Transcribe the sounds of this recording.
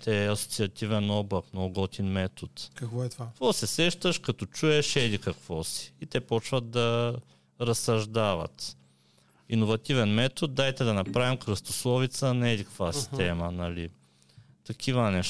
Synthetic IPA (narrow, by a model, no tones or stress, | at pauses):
t̪ɛɐso̥t̪siɐt̪ivɛnɔblˠɐknoɡɔt̪inmɛt̪ot̪kkɛɐkvɔsɛsɛʃt̪əʃkɐt̪ɔt͡ʃuɛʃɛd̪ikɐkvɔsi̥it̪ɛpɔt͡ʃvət̪̚d̪ɐ | ɾɐsɐʒd̪avɐ̰t̪ | inovɐt̪ivɛnmɛt̪ot̪̚d̪ajt̪ɛd̪ɐnɐpɾavimkɾəst̪oslˠɔvit̪sənɛd̪ikkvasi̥st̪ɛmənɐli | t̪ɐkʰivənɛʃ